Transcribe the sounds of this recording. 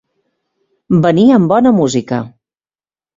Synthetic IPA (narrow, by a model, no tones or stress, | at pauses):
bəniəmbɔnəmuzikə